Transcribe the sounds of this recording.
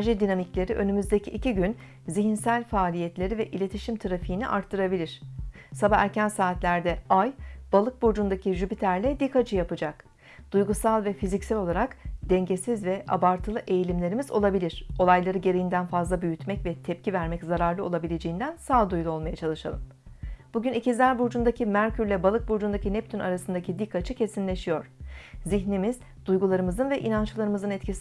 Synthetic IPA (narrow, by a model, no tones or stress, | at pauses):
ʒid̪inamiclʲe̞ɾiʔø̞nymyzd̪ecʰiʔiciɟyn | ziɦinsælʲfaːlʲijɛt̪lʲe̞ɾivɛʔilʲe̞t̪ʰiʃimt̪ʰaɾafɯjiniʔa̰ɾt̪ʰːɯɾabilʲiɾ̥ | sabaæɾcænsaːt̪lʲæɾd̪ɛajb̥alˠɯk̚bo̞d͡ʒund̪acʰiʒypit̪ʰæɾlʲɛd̪ikʰat͡ʃʰɯjapɯd͡ʒak | d̪̥ujɡusalˠvɛfizicsælʲo̞lˠaɾakd̪̥ɛɲɟe̞sizvɛʔa̰baɾt̪ʰɯlˠɯʔe̞jilʲimlʲe̞ɾimizo̞̰lˠabilʲiɾ̝̥o̞lˠajlˠaɾɯɟe̞ɾejind̪ænfazlˠabyjyt̪mɛcvɛt̪ʰɛp̚cʰivæɾmɛczaɾaɾlˠɯolˠabilʲe̞d͡ʒe̞jind̪ænsaːd̪ujlˠuo̞lˠmajat͡ʃʰalˠɯʃa̰lˠɯm | b̥uɟynicizlʲæɾbuɾd͡ʒund̪acʰimæɾcʰyɾlʲɛbalˠɯk̚buɾd͡ʒund̪acinɛp̚t̪ʰyna̰ɾasɯnd̪acʰid̪ikʰːat͡ʃʰɯcʰe̞sinlʲe̞ʃijo̞ɾ̥ziçnimiz̥ | d̪̥ujɡulˠaɾɯmɯzɯnvɛʔinant͡ʃlˠaɾɯmɯzɯnɛt̪cʰis